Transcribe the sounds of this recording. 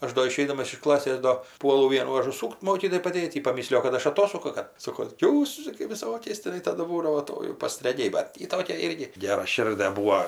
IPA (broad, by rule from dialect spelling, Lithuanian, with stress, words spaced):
ˈɐʃ doː ɪˈʃʲɛɪdɐmɐs ɪʃ ˈklˠɑːsʲeːs doː ˈpuɔlˠʊ ˈʋʲiɛnuː ɐʒʊˈsuːkt ˈmoːkʲiːtoːjɛɪ pɐˈdʲeːt ˈjiː pɐˈmʲɪsʲlʲɪjoː kɐt ˈɐʃ ɐˈtoːsʊkʊ kɐ ˈsoːkoː ˈjuːs t͡ʃʲɛ kɐɪ ʋʲɪˈsoːkʲɛɪs tʲɪˈnɐɪ ˈtɑːdʊ ˈbuːdɐʋoː ˈtoː jɛʊ pɐstrɐˈɡʲɛɪ ˈbɐt ˈjiː ˈtoːkʲɛ ˈɪrʲɡʲɪ ɡʲɛrɐˈʃʲɪrʲdʲɛ ˈbuːoː